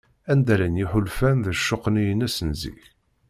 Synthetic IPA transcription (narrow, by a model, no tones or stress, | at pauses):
ænd̪æɾænjiħʊlfænðəʃːoqːnijənæsənzḭç